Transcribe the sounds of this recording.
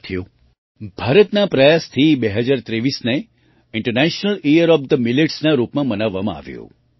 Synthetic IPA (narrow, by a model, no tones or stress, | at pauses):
t̪ʰjõ | bʱaɾət̪napɾəjast̪ʰibeɦəd͡ʒaɾt̪ɾeʋisne | ɪɳʈəɾnɛʃnəlijəɾɔb̚d̪əmileʈsnaɾupmãmənaʋːamã̰a̰ʋjo̰